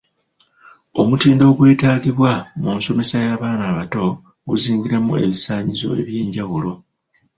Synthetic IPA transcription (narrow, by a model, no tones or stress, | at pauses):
o̞mutiːndo̞ːɡwe̞ːtaːɡiβwamunso̞me̞sajaːβaːnaːβato̞ | ɡuziːŋɡiɾemue̞βisaːɲizo̞̰e̞̰βje̞ːɲɟawulo̞